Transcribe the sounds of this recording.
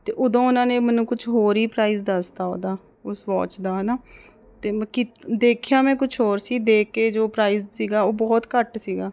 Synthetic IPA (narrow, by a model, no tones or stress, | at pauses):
t̪eːʔʊd̪õːʊnãːneːmənũːkʊt͡ʃʰɦoːɾiːpɾaːiːzd̪əst̪aːo̰ːd̪aː | ʊsʋɔ̰ːt͡ʃd̪aːɦənaː | t̪eːkɪd̪eːkʰjaːmɛ̃ːkʊt͡ʃʰɦoːɾsiːd̪eːkːeːd͡ʒoːpɾaːiːzsiːɡaːoːbɔːt̪kəʈsiːɡaː